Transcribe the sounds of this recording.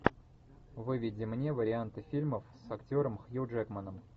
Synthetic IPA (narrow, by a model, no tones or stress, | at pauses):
vɨvʲɪdʲɪmnʲe̞vəɾʲɪant̪ɨfʲilʲməfsɐktʲo̞ɾəmxjuʐɛkmənəm